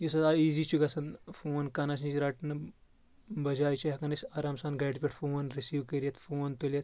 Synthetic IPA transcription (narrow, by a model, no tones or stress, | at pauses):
jis̬ɐt̪aiːzit͡ʃʰuɡɐsɐnfoːnkɐnɐs̬nit͡ʃiɾaʈnɨ | bɐd͡ʒaːjt͡ʃʰiɦɐkɐnɐsʲɐɾaːmsaːnɡɐʈpʲiʈʰfoːnɾisiːwkɐɾjɐt̪foːnt̪olʲɐt̪